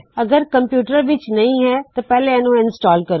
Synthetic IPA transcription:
əɡəɾkəmpjuːʈəɾʋɪt͡ʃnəĩːɦɛːt̪aːpɛːleɛnũːɪnsʈɔːlkəɾ

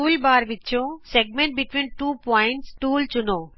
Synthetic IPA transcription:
ulbaɾbitːt͡ɕʰõseɡ̚mẽɳʈ̚biʈʋĩnʈupɔjɪɳʈsʈuːlt͡ʃuno

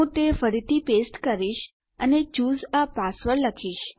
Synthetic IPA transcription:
ũt̪efəɾit̪ʰipesʈkəɾiʃ | ənet͡ʃuzapasʋəɾləkʰiʃ

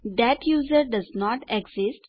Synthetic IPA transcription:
d̪ɛʈjuːzəɾɖɐznɔːʈeɡzɪsʈ

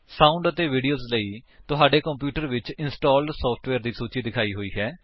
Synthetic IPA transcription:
saːʊ̃ɳɖət̪eːʋiːɖijoːzləiːt̪ʊɦaːɖeːkəmpjuːʈəɾʋɪt͡ʃɪnsʈaːlɖsɔːpʰʈʋɛːɾd̪iːsuːt͡ʃiːd̪ɪkʰaːiːɦoːiːɦɛː

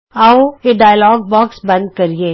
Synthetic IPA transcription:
aoeɖaːjlɔːɡ̚bɔːksbɐ̃nd̪̚kɐɾieː

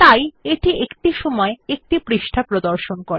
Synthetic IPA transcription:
t̪ajeʈiʔekʈiʃɔmɔeek̚ʈipɾiʃʈʰapɾod̪oɾʃonkoɾe

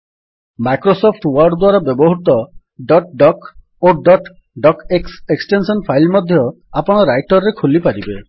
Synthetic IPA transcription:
majkɾosopʰʈwɔɾɖd̪waɾɔbɔbɔɦut̪ɔ | ɖɔʈ̚ɖɔk | oɖɔʈ | ɖɔkekseksʈensɔnpʰajlmɔd̪ʱjɔ | apɔɽ̃ɔɾajʈɔɾːekʰulipaɾibe

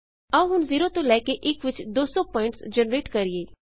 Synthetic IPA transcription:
əũːɦʊnziːɾõːt̪õːlɛːkeːʔɪkʋɪt͡ʃd̪oːsɔ̃ːpɔːɪ̃ɳʈsd͡ʒənɾeːʈkəɾɪeː

